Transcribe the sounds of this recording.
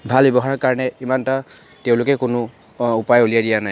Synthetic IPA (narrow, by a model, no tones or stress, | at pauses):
bʱalbɛbɔɦaɹɔkaɹɔnɛimanta | teʊ̃lʊkɛkʊnʊ | upajolijadijanaj